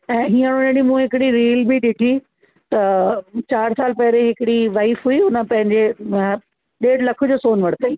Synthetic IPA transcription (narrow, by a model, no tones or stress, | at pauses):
ɛ̃ːɦiːə̃ɽ̃õnẽɽimũɦɪkɪɽiɾiːlbiɗɪʈʰi | t̪ɐt͡ɕaːɾsaːlpɐɦɪɾeɦɪkɪɽiʋaːifɦuiʊnə̆pɐ̃ɦɪ̃ɲd͡ʑe | ɗeːɽlɐkʰʊd͡ʑoːsoːnʋɐɽ̤t̪aiː